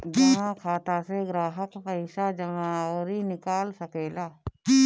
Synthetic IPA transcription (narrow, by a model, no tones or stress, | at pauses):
d͡ʒɐŋãkʰaːt̪aːseɡɾaːɦəkkaɪʃaːd͡ʒɐŋãɔːɾinɪkaːlsəkeːlaː